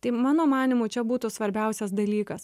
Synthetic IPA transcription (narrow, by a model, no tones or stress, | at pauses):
t̪ɐɪmɑːnoːmɑːnʲɪmuːt͡ʃʲɛbuːt̪ʊsʋɐɾʲbʲɛʊsʲɛsd̪ɐlʲiːkɐs